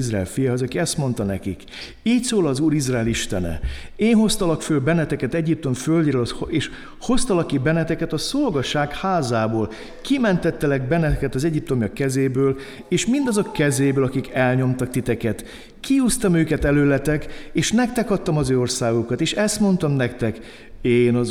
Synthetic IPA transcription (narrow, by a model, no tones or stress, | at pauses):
izraɛ̰lfijaɦozɒkiɛst̪mo̞nt̪ɒnɛ̰kḭk | iːcsoːlɒːzuːɾizraːliʃt̪ɛnɛ̰eːnɦho̞st̪ɒlɒkføːlbɛnɛt̪ɛkɛt̪ɛɟip̚t̪o̞ɱføld̪ɾølheːʃ | ho̞st̪ɒlɒkːibɛnɛt̪ɛkɛt̪ɒso̞lɡɒʃaːkhaːzaːboːl | kimɛnt̪ɛt̪ːɛlɛɡ̚bɛnɛɛkɛt̪ɒzɛɟip̚t̪o̞mjɒkɛzeːbøːl | eːʃmind̪ɒzokːɛzeːbøːlɒkikɛlɲo̞mt̪ɒk̚t̪it̪ɛkɛt̪ | kiuːst̪ɒmøːkɛt̪ɛløːlɛt̪ɛkeːʃnɛk̚t̪ɛkɒt̪ːɒmɒzøːo̞rsaːɡokɒt̪eːʃɛst̪mo̞nt̪ɒmnɛkt̪ɛk | eːnɒ